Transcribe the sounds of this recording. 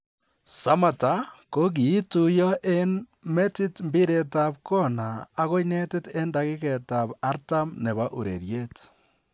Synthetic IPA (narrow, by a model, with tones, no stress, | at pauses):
sa˦ma˨ta˨˦ko˦k̬i˨˦tu˨jɔ˦ʔe˦n | me˦ti˦tmbi˦ɾe˨ta˨p̚kɔ˦naː˨˦ɣo˦ine˦te˦te˦nda˨ɣi˦ke˨ta˨ba˦ɾta˦mne˨βa˦ʔu˨ɾḛ˨ɾje˦t